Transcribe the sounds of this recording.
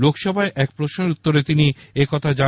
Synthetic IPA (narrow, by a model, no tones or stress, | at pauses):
lokʃɔbʱaeʔɛk̚pɾoʃneɾut̪ːoɾet̪iniekɔt̪ʰad͡ʑa